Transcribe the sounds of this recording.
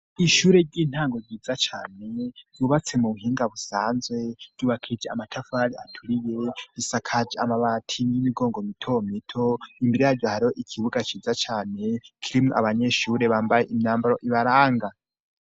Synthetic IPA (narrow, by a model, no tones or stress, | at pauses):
iʃuːɾe̞ɾɟiːn̥haːŋɡo̞ɟɟiːd͡zat͡ʃaːne̞ɟ̥uːβat͡se̞muβuhiːŋɡaβusaːnzwe̞ɟ̥uːβakʰid͡ʒeamatʰafaɾiatʰuɾije̞isakʰad͡ʒamaβatʰinimiɡo̞ːŋɡomitʰomitʰo̞imbiɾijaɾɟohaɾiho̞ʔikʰiβuɡat͡ʃiːzat͡ʃaːne̞kʰiɾimuʔaβaɲe̞ʃuːɾe̞βaːmbaje̞ʔimɲaːmbaɾoʔiβaɾaːŋɡa